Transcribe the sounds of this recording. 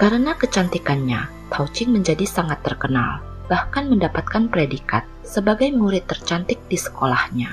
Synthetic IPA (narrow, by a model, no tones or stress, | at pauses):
kaɾənakət͡ʃant̪ikanɲa | t̪ʰaut͡ʃɪŋməɲd͡ʒadisaŋat̪ːərkəna̰l | bahkanməndapat̪̚kanpɾedika̰t̪̚səbaɡajmuɾɪt̪ːərt͡ʃant̪ɪk̚disə̥kolahɲa